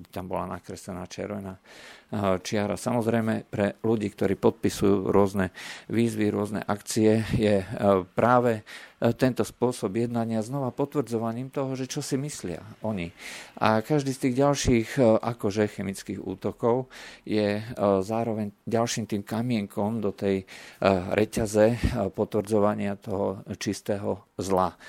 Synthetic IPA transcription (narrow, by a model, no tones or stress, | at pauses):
t̪ambɔla̰nakɾɛsɛnaːt͡ʃɛ̰ɾʋɛnaː | t͡ʃɪaɾa̰samɔzɾɛjmɛpɾɛluɟiːkt̪ɔɾiːpɔt̪̚pisujuːɾʊɔznɛʋiːzʋiɾʊɔznɛ̰ʔakt͡siɛjɛpɾaːʋɛt̪ɛnt̪ɔspʊɔsɔbjɛd̪naɲɪaznɔʋapɔt̪ʋr̩d͡zɔʋaɲiːmt̪ɔɦɔʒɛt͡ʃɔsimislɪa̰ʔɔɲiʔa̰kaʒd̪iːst̪iːɣɟalʃiːxʔakɔʒɛxɛmit͡skiːɣṵːt̪ɔkɔʊjɛzaːɾɔʋɛɲɟalʃiːmt̪iːmkamɪɛŋkɔmd̪ɔt̪ɛj | ɾʔɛcazɛpɔt̪ʋr̩d͡zɔʋaɲɪat̪ɔɦɔt͡ʃist̪ɛːɦɔzla